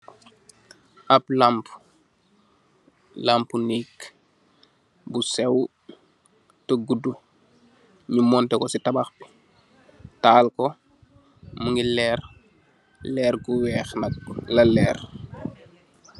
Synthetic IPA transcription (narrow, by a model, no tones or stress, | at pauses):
ʔɐplamp | lampunik | busɛw | təɡudu | ɲumɔntɛkɔsitɐbaxbi̥ | taːlkɔ | muŋɡilɛːr | lɛːɾɡuwɛːxnɐk̚lɐlɛːr